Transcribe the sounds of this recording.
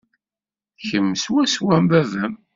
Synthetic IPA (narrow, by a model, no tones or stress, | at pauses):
çəmːəswæswæmbæðən